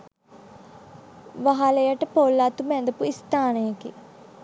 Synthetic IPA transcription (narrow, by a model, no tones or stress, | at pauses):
ʋaɦaləjəʈəpoːlːaːt̪umɛ̃nd̪əpuist̪aːnəjəkḭ